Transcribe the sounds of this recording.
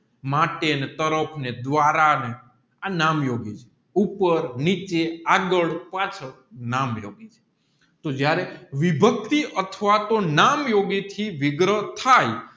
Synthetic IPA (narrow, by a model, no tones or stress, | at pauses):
maʈenet̪əɾəpʰned̪ʋaɾane | anamjoɡit͡ʃʰe | upəɾnit͡ʃeaɡəɭpat͡ʃʰə | namjoɡit͡ʃʰe̥ | t̪od͡ʒjaɾeʋibʱək̚t̪iʔət̪ʰəʋat̪onamjoɡit̪ʰiʋɪɡɾət̪ʰaj